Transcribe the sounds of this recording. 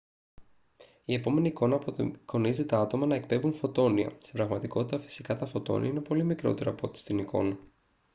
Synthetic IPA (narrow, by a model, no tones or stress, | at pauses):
ie̞po̞me̞niːko̞nɐpoko̞nizet̪ɐɐt̪o̞mɐnɐe̞k̚pe̞vunfo̞t̪o̞niɐ̰st̪epɾɐɣmɐt̪iko̞t̪it̪ɐfi̥si̥kɐt̪ɐfo̞t̪o̞̰nḭɐine̞po̞limikɾo̞̰t̪e̞ɾɐpo̞t̪i̥st̪inikʰo̞̰nɐ